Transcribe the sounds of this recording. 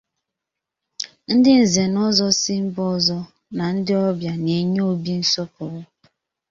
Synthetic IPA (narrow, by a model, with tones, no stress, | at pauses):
n̩˦dɪ˦n̩˨ze˨nɔ˦zɔ˦sɪ˦m̩˦bɔ˦zɔ˦ | na˨n̩˦dɪ˦ɔ˦bja˨ne˨ɲe˦o˦bi˦n̩˦sɔ˦pɔ˨wʊ˦